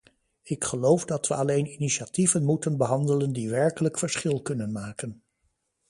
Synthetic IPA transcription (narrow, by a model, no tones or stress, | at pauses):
ɪkχəlowvdɑtʋəɑlejniniʃativənmutənbəɦɑndələndiʋɛɹkələkfəɹsχɪlˠkɵnənmaːkən